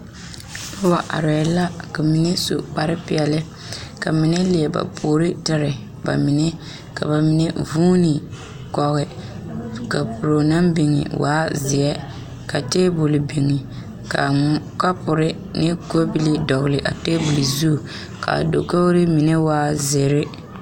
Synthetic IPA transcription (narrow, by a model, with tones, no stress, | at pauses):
ba˦wa˨ʔa̰˨ɾɛ˨la˦ka˨mi˨nɛ˦so̰˨k͡pa˦ɾɪ˦pɪ˨ɛ˨lɪ˦ | ka˨mi˨nɛ˦lɪ˨ɛ˨ba̰˨pʰoː˨ɾɪ˦tɪ˦ɾɪ˨ | ba̰˨mi˨nɛ˦ | ka˨ba˨mi˨nɛ˦vuː˦nɪ˨ | kɔ˨ɣɪ˨ | ka˨pʊ˨ɾo˨na˦mbɪ˨ŋɪ̰˨wa̰ː˦zɪ˨ɛ˦ | ka˨teː˦bʊ˨lɪ˨bi˨ŋi˨ | ka˨ | ka˦pʊ˨ɾɪ˦ | nɪ˦ɡo˦bi˦li˦dɔ˨ɣlɪ˨ʔa̰˨teː˦bu˨lɪ˨zu˦˨ | ka̰˨do̰˨ko˦ɣɾɪ˦mi˨nɛ˦waː˦ze˨ɾɪ˦